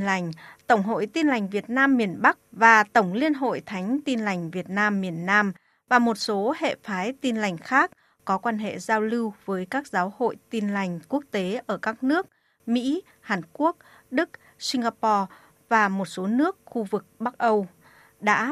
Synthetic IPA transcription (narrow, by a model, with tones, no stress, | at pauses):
la˨˩jŋ̟t̪ə˧˩wŋ͡mɦo̰˧˨jt̪i˧nla˨˩jŋ̟vi˨˩ət̚naː˧mːi˨˩ənɓa˦˥k̚vaː˨˩t̪ə˧˩wŋ͡mli˧ənɦo̰˧˨jt̪ʰa˨˦jŋ̟t̪i˧nla˨˩jŋ̟vi˨˩ət̚naː˧mːi˨˩ənːaː˧m | vaː˨˩mo˨˩t̚so˨˦hḛ˧˨faː˨˦jt̪i˧nla˨˩jŋ̟xaː˦˥k̚ː | ɔ˨˦kwaː˧nɦḛ˧˨zaː˧wlɨ˧wvəː˨˦jkaː˦˥k̚zaː˨˦who̰˧˨jt̪i˧nla˨˩jŋ̟ku˦˥ək̚t̪e˨˦ʔəː˧˩kaː˦˥k̚nɨ˦˥ək̚ | mḭ˧˥ | haː˨˩nku˦˥ək̚ | ɗɨ˦˥k̚ | si˧ŋ̟ɣaː˧pɔ˧ | vaː˨˩mo˨˩t̚so˨˦nɨ˦˥ək̚xu˧vɨ˨˩k̚ɓa˦˥k̚ʔə˧w | ɗa̰ː˧˥